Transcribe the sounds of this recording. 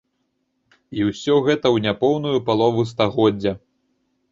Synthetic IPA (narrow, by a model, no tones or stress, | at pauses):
iwsʲɔɣɛt̪ɐwnʲapɔwnujupalˠɔvust̪aɣɔdd͡zʲːɐ